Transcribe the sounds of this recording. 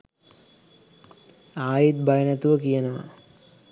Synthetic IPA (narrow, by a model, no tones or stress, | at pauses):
aːjit̪̚bajənat̪uʋəkijənəʋa̰